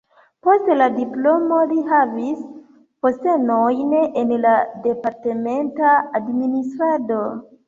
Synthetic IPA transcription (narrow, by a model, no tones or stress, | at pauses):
po̞stladiplo̞mo̞liɦavis | poste̞nojnenlade̞paɾteme̞ntaːdministɾado